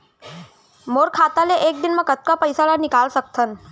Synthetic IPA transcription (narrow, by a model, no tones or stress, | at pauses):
moɾkʰat̪aleʔek̚d̪inməkət̪̚kapəjsalanikalsək̚t̪ʰən